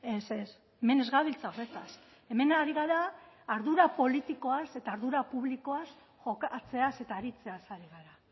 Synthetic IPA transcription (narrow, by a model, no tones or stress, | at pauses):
e̞ses | eme̞ne̞zɣaβilt͡saoret̪as | e̞me̞naɾiɣaɾaːɾðuɾapo̞lit̪iko̞ase̞t̪aːɾðuɾapuβliko̞as | xokat͡se̞ase̞t̪aːɾit͡se̞asaɾiɣaɾa